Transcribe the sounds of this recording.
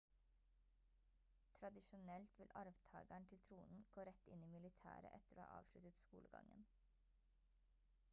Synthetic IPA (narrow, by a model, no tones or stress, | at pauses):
t̪ʰɾɑd̪ɪʃʊnɛlt̪ʋɪlʔɑɾʋt̪ʰɑ̰ːɡæɳt̪ʰɪlt̪ʰɾuːnn̩ɡ̥oːɾɛt̪ɪniːmɪlɪt̪ʰæ̰ːɾə̰ʔɛt̪əɾoːhɑ̰ːʔɑ̰ːʋʃlʉt̪ət̪skuːləɡɑ̰ŋən